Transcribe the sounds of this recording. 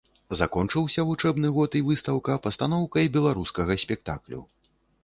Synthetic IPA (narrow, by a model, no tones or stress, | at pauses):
zakɔnt͡ʂɨwsʲɐvut͡ʂɛbnɨɣɔt̪ivɨst̪ɐwkɐpɐst̪an̪ɔwkɐjbʲɛlˠaɾuskɐɣɐsʲpʲɛk̚t̪a̰klʲṵ